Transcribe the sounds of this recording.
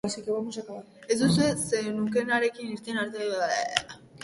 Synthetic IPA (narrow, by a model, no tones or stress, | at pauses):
asikeβamuʃakaβa | ezd̪usuesenuŋke̞naɾe̞kinist̪enaɾt̪eβaðaḛa